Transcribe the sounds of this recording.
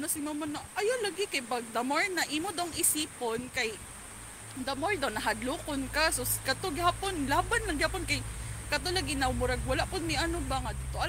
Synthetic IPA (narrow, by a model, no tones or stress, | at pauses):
nosɪmamonaʔɐjolaɡɪkajpaɡ̚d̪ɐmoɹnɐʔimod̪awŋɪsiːponkaj | d̪ɐmoɹd̪awnɐɦad̪luːkonkasoskɐt̪oɡɪhaːponlaːbanlɐŋɡɪhaːponkajkɐt̪̬olaɡɪnɐmʊɾaɡ̚walaʔpʊd̪̚miʔɐnobaŋad̪t̪oʔa